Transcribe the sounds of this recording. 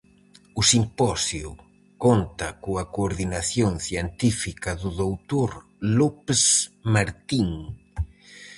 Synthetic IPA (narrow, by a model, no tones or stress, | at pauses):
ʊsimpɔsju | kont̪ɐkoɐkoːɾðinaθjoŋθjent̪ifikɐðʊðowt̪oɾ | lopsmaɾt̪iŋ